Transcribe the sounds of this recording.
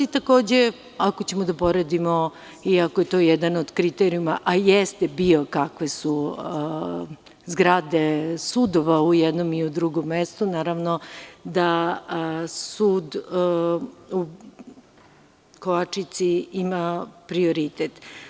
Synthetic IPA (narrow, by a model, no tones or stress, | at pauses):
it̪ako̞ːd͡ʑe | akot͡ɕe̞mod̪apo̞ɾed̪imo | iakojet̪o̞jɛd̪anod̪kɾit̪eɾijumaʔajest̪ebio̞kakʋe̞su | zɡɾad̪esud̪oʋaujɛd̪nomiud̪ɾuɡo̞mːest̪unaːɾaʋnod̪a | suːd̪ | u | koʋat͡ʂit̪siimapɾioɾit̪et̪